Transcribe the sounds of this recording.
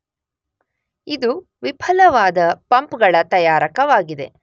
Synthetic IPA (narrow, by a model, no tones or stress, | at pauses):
id̪u | ʋipʰɐlɐʋaːd̪ɐpɐmpɡɐɭɐt̪ɐjaːɾɐkɐʋaːɡid̪e̞̰